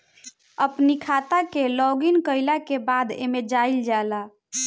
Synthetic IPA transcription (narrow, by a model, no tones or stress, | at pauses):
əpnikʰat̪akelɔɡinkəɪlakebad̪ḛmed͡ʒaild͡ʒala